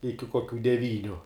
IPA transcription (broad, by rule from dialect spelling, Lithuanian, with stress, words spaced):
ˈɪkʲɪ koːˈkʲuː dʲɛˈʋʲiːnʲʊ